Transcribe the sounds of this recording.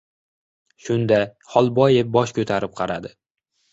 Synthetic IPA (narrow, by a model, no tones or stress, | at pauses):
ʃʊnd̪a | hɒlˠbɒjep̚bɒʃkʲʰɵt̪ʰaɾɪp̚qʰɑɾad̪ɪ